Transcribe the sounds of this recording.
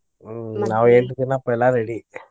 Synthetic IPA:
naːʋɐ̃eːʈːɯkːɯnːãːpoːjɛlːãːɾɛɽi

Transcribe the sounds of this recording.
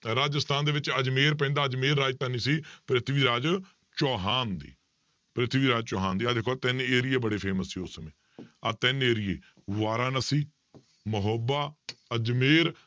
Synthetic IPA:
ɾaːd͡ʒəst̪ʰaːnd̪eːʋɪt͡ʃəd͡ʒmeːɾp̬ɛ̃ːnd̪aːəd͡ʒmeːɾːaːd͡ʒt̪aːniːsiːpɾɪt̪ʰɪʋiːɾaːd͡ʒ | t͡ʃoːɦaːnd̪ḭː | pɾɪt̪ʰɪʋiːɾaːd͡ʒt͡ʃɔːɦaːnd̪iːaːd̪ɪkʰoat̪ɛneːɾɪjeːbəɽeːpʰeːməsːiːʊsːəmẽː | at̪ɛneːɾɪjḛː | ʋaːɾaːnəsiː | məɦəbaːəd͡ʒmeːɾ

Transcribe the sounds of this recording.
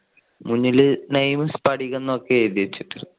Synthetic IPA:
muɲːilɨnejmɨspɐɽikʲːenːɐokːeeːd̪iɾit͡ɕːiʈːɨ

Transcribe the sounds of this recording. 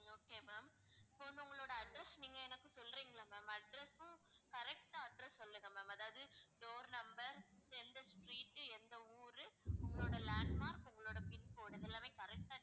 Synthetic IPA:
oːkeːmaːm | poːnɐʊŋɡɐɭoːɽɐɐɖɾɛsniːŋɡɐɛnɐkːɯsɔlːɾiːŋɡɐɭaːmaːmɐɖɾɛsʊ̃kɐɾɛk̚ʈaːɐɖɾɐsːɔlːɾɯŋɡɐmaːmɐðaːʋɐðɯɖoːɾnɐmbɐɾɛnd̪ɐsʈɾiːʈːɛnd̪ɐuːɾɯʊŋɡɐɭoːɽɐlaːɳɖmaːɾkʊŋɡɐɭoːɽɐpɪnpoːɽɪðɛlːaːmeːkɐɾɛk̚ʈaː

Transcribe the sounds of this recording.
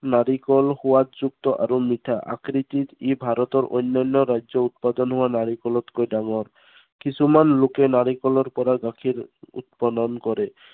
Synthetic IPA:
naɾikɔlhowatd͡ʒukt̪ɔʔa̰ɾumit̪ʰaʔa̰kɾit̪it̪ibʱaɾɔt̪ɔɾʔo̰jnːanːɔɾajd͡ʒɔut̪̚pad̪ɔnɦowanaɾikɔlɔt̪kojɖaŋɔɾ | kisʰumanlokenaɾikɔlɔɾpɔɾaɡakʰiɾṵt̪̚pad̪ɔnkɔɾe

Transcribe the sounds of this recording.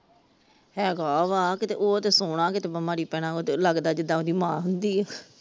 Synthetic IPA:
ɦɛːɡaːʋaːkɪt̪ḛːʔoːət̪eːsoːɽãːkɪt̪eːbəmaːɾiːpɛːɽ̃ãːoːt̪eləɡd̪aːd͡ʒɪd̪ãːoːd̪iːmãːɦʊnd̪iːɛ

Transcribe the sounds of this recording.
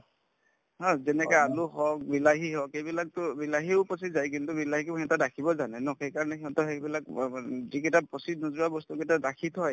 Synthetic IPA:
ɦɔzɛnɛkaaluɦɔk̚bilaɦiɦɔkejbilak̚tʊbilaɦiʊpɔs̬izajkintʊbilahikeɦɛtadakʰibɔzanɛnɔxejkaɹɔnɛɦiɔ̃tɔɦɛjbilak̚zikɛtapɔsidnɔzuɹabɔstukɛtadakʰitʰɔj

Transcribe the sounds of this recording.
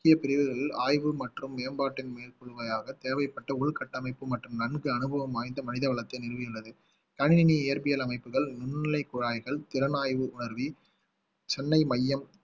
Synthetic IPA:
kːɪjɐpɪɾɪʋɯɣɐɭɪlaːjʋɯmɐʈrɯmːeːɐmbaːʈːɪnmeːlkɔɻɯʋɐjaːɣɐt̪eːɾʋɐɪpːɐʈːɐʊɭkɐʈːɐmɐɪpːɯmɐʈrɯmnɐnɡɯɐnɯbɐʋɐmaːjnd̪ɐmɐnɪðɐʋɐɭɐt̪ːɐɪnɪlʋɪjɯɭːɐðɯ | kɐɳɪnɪniɪjɐɾpɪjɐlɐmɐɪpːɯɣɐɭnʊnːɪlɐɪkːʊɽaːjɣɐɭt̪ɪɾɐnaːjʋɯʊɳɐɾʋi | t͡ʃɛnːɐɪmɐjːɐm

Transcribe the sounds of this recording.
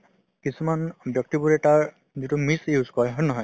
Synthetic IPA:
kisumanbjɔk̚tibuɹɛtaɹ | zitumisjuzkɔɹɦɔjnɔɦɔj

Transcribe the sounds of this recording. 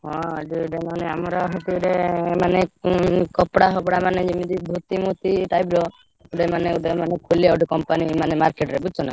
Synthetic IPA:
ɦɔ̃d͡ʒiɖemaneamɔɾɔɦɔt̪iɖemanekɔpɽaɦɔpɽamaned͡ʒimid̪ibʱut̪imut̪iʈajblɔ | uɖemaneuɖemanekʰuliawʈikɔmpanimanemaɾkeʈɾebut͡ʃʰɔna̰

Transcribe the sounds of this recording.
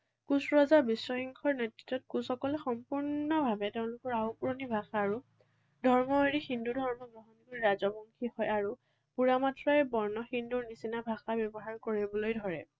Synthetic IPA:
kusɹɔzabiswɔxiŋkʰɔɹnɛtɹitːɔt̚kusɔkɔlɛxɔmpuɹnɔbʱabɛteʊ̃lʊkɔɹaupuɹɔnibʱaxaːɹu | dʱɔɹmɔeɹixindudʱɔɹmɔɡɹɔɦɔnikɔɹiɹazɔbɔŋkʰihɔjaɹu | puɹamatʰɹɔɛbɔɹnɔxinduɹnisinabʱaxabjɔbɔɦaɹkoɹibɔlojdʱɔɹɛ

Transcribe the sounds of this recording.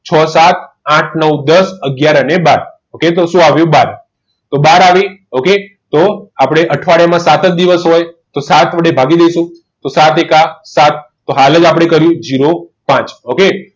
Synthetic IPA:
t͡ʃʰɔsat̪ | ãʈʰnəwd̪əsəɡjaɾənebaɾ | oket̪oʃũaʋjũbaɾ | t̪obaɾaʋioke | t̪oapɽ̃eʔəʈʰʋaɽjamãsat̪ət̚d̪iʋəsɦojt̪osat̪ʋəɽebʱaɡid̪ejʃũ | t̪osat̪ekasat̪ːoɦaləd͡ʒapɽ̃ekəɾjũd͡ʒiɾopãt͡ʃoke

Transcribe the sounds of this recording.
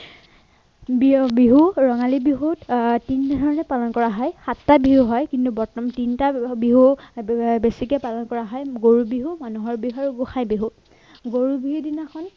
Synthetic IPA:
bbiɦuɹɔŋalibiɦuttintadʱɔɹɔnɛpalɔnkɔɹaɦɔjxatːabiɦuɦɔjkintubɔɹtɔmtintabiɦu | besikɛpalɔnkɔɹaɦɔjɡoɹubiɦumanuɦɔɹbiɦuaɹuɡuxʰajbiɦu | ɡoɹubiɦudinakʰɔn

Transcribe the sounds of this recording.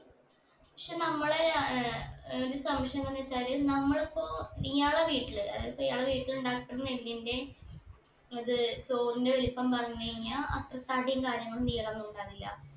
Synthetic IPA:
pɐkʂenɐmːɐɭeɾ | ðilɨsɐmːɐʂjɐnk̪ːɐnːiʋet͡ɕːaːlɨnɐmːɐɭepːoːnijaːɭeʋiːʈːilɨɐ̰ðaːlɐpːoijaːɭɐʋiːʈːiluɳɖaːkːipːeɽunːeldinde̞ | ɐðɨso̞ːrinde̞olupːɐmpɐrɐɲːukɐɻiɲːaːʔɐt̪rɐt̪ɐɽijɐŋkaːɾjɐŋːɐɭuniːjɐɭɐnːuuɳɖaːʋilːɐ̰

